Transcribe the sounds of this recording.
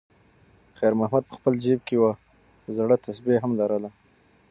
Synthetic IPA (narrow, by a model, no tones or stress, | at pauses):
xajɾmahmad̪̚pə̥xpəld͡ʒeb̚kewa | zaɽət̪ʰasbiaɦamlaɾəla